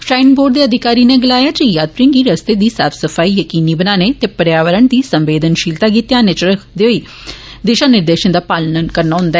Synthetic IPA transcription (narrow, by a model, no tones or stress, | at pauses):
ʃaːɪnboːɖd̪eːəd̪ʱɪkaːɾiːneːɡəlaːjaːd͡ʒijaːd̪̚pɾĩŋɡiːɾəst̪eːd̪iːsa̰ːpʰsəpʰaːijəkiːniːbənaːneːt̪eːpəɾjaːʋəɾəɳd̪iːsəmʋeːd̪ənʃiːlt̪aːkiːt̪jãːnet͡ʃɾəkʰd̪eoiː | d̪ɪʃaːnɪɾd̪eːʃənd̪aːpaːlnənkəɾnaːɦʊ̃nd̪aɛ